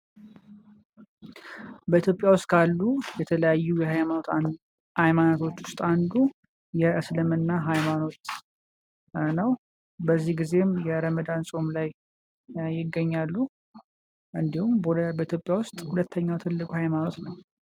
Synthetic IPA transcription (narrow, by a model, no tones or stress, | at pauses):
bəit̪ʰjo̞pʼjawʊst̪ʼkʰalːujɛt̪ʰələjajːujɛɦajaot̪ | hajmanot̪ʰo̞t͡ʃːwʊst̪ʼand̪u | jɛʔɨslɨmɨnːaɦajmano̞t̪ | nəw | bəzːihɡize̞mjɛɾəməd̪ansʼo̞mlajː | ɪɡːəɲːalːu | ʔɨnd̪ihumbəit̪ʰjo̞pʼːjawʊst̪ʼhulət̪ʰːəɲːawt̪ʰɨlːɨkʼuhajmano̞t̪nəw